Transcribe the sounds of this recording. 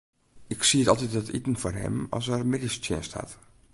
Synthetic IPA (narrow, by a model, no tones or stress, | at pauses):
ɪksiətɑlˠtit̚ətḭtn̩forɛ̰mɑ̰ls̬ərmɪdistjɛ̰nstha̰t